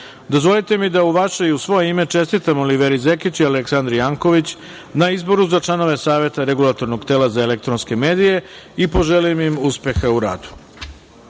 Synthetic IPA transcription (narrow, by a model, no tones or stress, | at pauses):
d̪ozʋo̞lˠit̪e̞mid̪auʋaʃe̞iusʋo̞jeime̞t͡ʂe̞st̪it̪amoliʋeɾizekit͡ɕialeksand̪ɾijaːŋko̞ʋit͡ɕ | naizbo̞ɾuzat͡ʃlˠano̞ʋe̞saːʋe̞t̪aɾeɡulˠat̪o̞ɾno̞ɡt̪e̞ːlazaele̞kt̪ɾonske̞me̞ːd̪ije̞ipo̞ʒe̞limimuspe̞xauɾa̰ːd̪u̥